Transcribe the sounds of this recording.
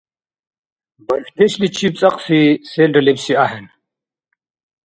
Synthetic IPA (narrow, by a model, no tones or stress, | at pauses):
bɐɾfd̪eɕlit͡ɕʰip̚t͡sʼɐqsiseːlɖɐlibsiaɦen